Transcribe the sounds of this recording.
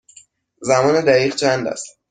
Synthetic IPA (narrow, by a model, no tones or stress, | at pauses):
zæmɒːned̪æɣiːʁt͡ʃʰænd̪æ̰st̪